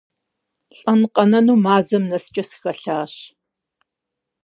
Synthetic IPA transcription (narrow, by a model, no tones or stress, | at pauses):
ɬʼɐnqʼɐnɐnuːmaːzɐmnɐst͡ʃʼɐsɨ̥xɐɬaːɕ